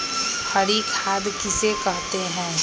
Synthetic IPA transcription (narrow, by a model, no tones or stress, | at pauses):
hɐɾikʰaːd̪kɪsekɐɦt̪eɦɛ̃ː